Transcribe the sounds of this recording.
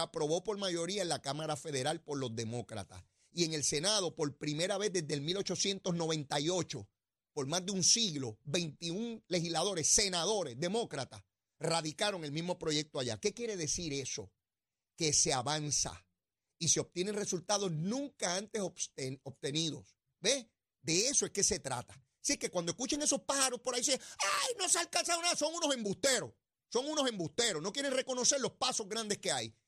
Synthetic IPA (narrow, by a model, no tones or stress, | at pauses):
apɾo̞βo̞po̞ɾmajo̞ɾiaenlakamaɾafe̞ðe̞ɾalpo̞ɾlo̞zðe̞mo̞kɾa̰t̪a̰s | ie̞ŋe̞lse̞nað̞o̞po̞ɾpɾime̞ɾaβe̞zðe̞zðelmilo̞t͡ʃo̞sje̞nt̪o̞sno̞β̞ẽ̞nt̪ajo̞t͡ʃo̞ | po̞ɾmazðeunsiɣlo̞be̞jnt̪iuŋle̞hizlaðo̞ɾe̞sse̞naðo̞ɾe̞sðe̞mo̞kɾat̪as | raðikaɾo̞ŋelmizmo̞pɾo̞ʝe̞k̚t̪oaʝa̰ke̞kje̞ɾe̞ðe̞siɾe̞so̞ | ke̞se̞aβansa̰ | iseo̞b̚t̪jeneŋre̞sult̪aðo̞snũŋkaãnt̪e̞sost̪eoβt̪e̞niðo̞̰s | be | d̪e̞esoeske̞se̞t̪ɾa̰t̪ḁ | sikekwand̪oekut͡ʃeŋe̞so̞spaɾo̞spoɾais̬eajno̞sealkans̬aðonaðaso̞ŋuno̞sẽ̞mbust̪e̞ɾo̞s | so̞ŋuno̞sẽ̞mbust̪e̞ɾono̞kje̞ɾe̞ŋre̞ko̞no̞se̞ɾlo̞spaso̞zɣɾand̪e̞ske̞aj